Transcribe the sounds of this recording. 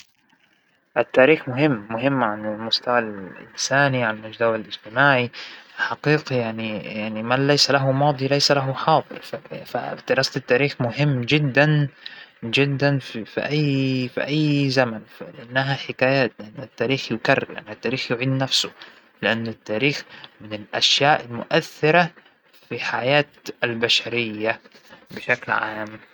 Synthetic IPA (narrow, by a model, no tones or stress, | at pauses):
ʔɪt̪ːaːɾiːxmʊɦɪmːʊɦɪmːʕanɪlmʊst̪awalʔɪ̰nsaːniʕanalmʊd͡ʒd̪awalʔɪd͡ʒt̪ɪmaːʕiɪħaqiːqijaʕnijaʕnimanlajsalaɦʊmɑːd̪ˤilajsalaɦʊħɑːd̪ˤɨ̰ɾfafa̰d̪̥ɪɾɑːsaɪt̪ːaːɾiːxmʊɦɪmːd͡ʒɪd̪ːan | d͡ʒɪd̪ːanfifḭʔajːfḭʔajːzamanflɪʔanːaɦaħɪkaːjaːt̪lɪʔanːɪt̪ːaːɾiːxjʊkarːɪɾʔa̰nːat̪ːaːɾiːxjʊʕiːd̪nafsʊ | lɪʔanːɪt̪ːaːɾiːxmɪnɪlʔaʃjaːʔɪlmʊ̰ʔaθːɪɾa | fiħajaːt̪albaʃaɾɪjːa | bɪʃaklʕaːm